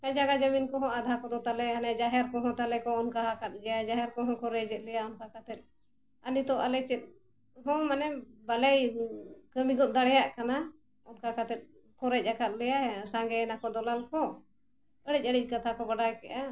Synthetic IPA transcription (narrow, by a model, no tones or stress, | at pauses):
kajd͡ʒaɡad͡ʒəminkɔɦɔ̃ad̪ʱakɔd̪ɔt̪alɛanɛd͡ʒaɦɛɾkɔɦɔ̃t̪alɛkɔɔnkaakat̪̚ɡɛjad͡ʒaɦɛɾkɔɦɔ̃kɔɾɛd͡ʒɛt̪̚lɛjaɔnkakat̪ɛt̪̚ | anit̪ɔʔalɛt͡ʃɛt̪̚ | ɦɔ̃manɛbalɛjkəmiɡɔd̪aɽɛjaʔkana | ɔnkakat̪ɛt̪̚ˀ | kɔɾɛc̚ˀakat̪̚lɛjasãŋɡɛnakɔd̪ɔlalkɔ | əɽic̚ˀəɽic̚ˀkat̪ʰakɔbaɖajkɛʔa